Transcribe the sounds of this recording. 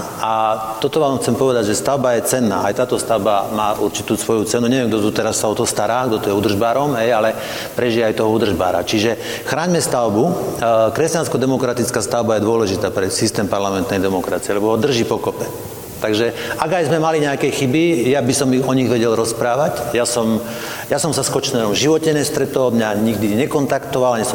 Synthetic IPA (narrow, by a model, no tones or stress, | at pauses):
at̪ɔt̪ɔʋaːmxt͡sɛmpɔʋɛd̪aɟʒɛst̪aʊbajɛt͡sɛnːa̰ːʔajt̪aːt̪ɔst̪aʊbamaːuɾt͡ʃit̪uːsʋɔjut͡sɛnuɲɛʋɛmɡ̚d̪ɔt̪ut̪ɛɾasːaɔt̪ɔst̪aɾaːɡ̚d̪ɔt̪ujɛud̪r̩ʒbaːɾɔmɦɛjalɛ | pɾɛʒijɛajt̪ɔɦɔud̪r̩ʒba̰ːɾa̰t͡ʃiʒɛ | xɾaːɲmɛst̪aʊbukɾɛscanskɔd̪ɛmɔkɾat̪it͡skaːst̪aʊbajɛd̪ʊɔlɛʒit̪aːpɾɛsist̪ɛːmpaɾlamɛnt̪nɛjd̪ɛmɔkɾat͡siɛlɛbɔɦɔd̪r̩ʒipɔkɔpɛ | t̪aɡʒɛaɡajzmɛmaliɲɛakɛjxibijabisɔmiɣɔɲiɣʋɛɟɛlɾɔspɾaːʋacjasɔm | jasɔmsaskɔt͡ʃnɛɾɔmʒiʋɔcɛɲɛst̪ɾɛt̪ɔmɲaɲiɡd̪iɲɛkɔnt̪akt̪ɔʋalaɲɛsɔ